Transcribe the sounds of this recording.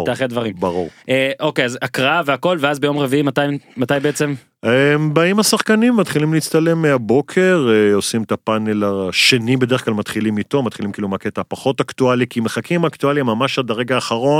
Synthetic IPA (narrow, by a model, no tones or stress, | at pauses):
aχed̪vaʁimbaʁṵʁeʔokejazakʁaaveako̞lveazbejo̞mʁeviimat̪ajmat̪ajbeet͡sem | embaimasaχkanimːat̪χilimleit͡st̪ale̞mːeabo̞kʰe̞ʁeo̞simet̪apanelaʃenibedeʁχklalmat̪χilimito̞matχilimkiːlumaket̪apaχo̞taktualikʰimeχakʰimakt̪ualimːamaʃadaʁeɡaːχaʁo̞n